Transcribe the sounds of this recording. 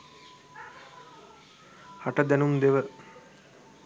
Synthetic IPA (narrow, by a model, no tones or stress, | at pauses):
haʈəd̪ænumd̪eʋə